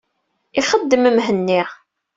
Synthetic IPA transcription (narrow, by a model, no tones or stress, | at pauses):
iχəd̪ːəməmɦənːiʁ